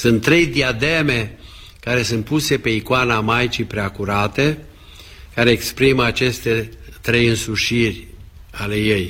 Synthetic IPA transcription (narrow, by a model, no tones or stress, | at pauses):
sunt̪ːɾe̞jd̪iad̪e̞me̞ | kaɾe̞sunt̪̚puse̞pe̞ikoanamajt͡ʃipɾeakuɾat̪e̞ | kaɾe̞ːkspɾiməat͡ʃe̞st̪e̞t̪ɾe̞jɨnsuʃirʲ | ale̞je̞j